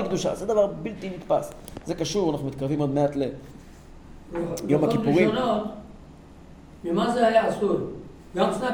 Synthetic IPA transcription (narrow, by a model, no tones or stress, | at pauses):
ikd̪uʃa̰zed̪avaʁbilt̪init̪pas | zekaʃuʁanaχnumit̪̚kaʁvimod̪meat̪le | jomakipuʁionot̪ | mimazehajaːsuɾ | ɡamsna